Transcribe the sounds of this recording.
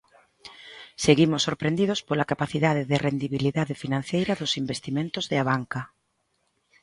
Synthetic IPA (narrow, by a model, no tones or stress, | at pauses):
seɣimʊsːoɾpɾend̪iðʊspolakapaθiðaðɪðɪrend̪iβiliðaðɪfinãn̟θejɾɐðʊsimbest̪imẽnt̪ʊzðɪaβaŋka